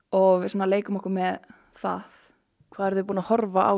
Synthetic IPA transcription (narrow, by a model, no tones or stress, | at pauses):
ɔɣvɪsaːnaleːjkʏmɔhkamɛð | θa̰θ | kʰvaːðɛɾðʏpuːnahɔɾvaʔa̰w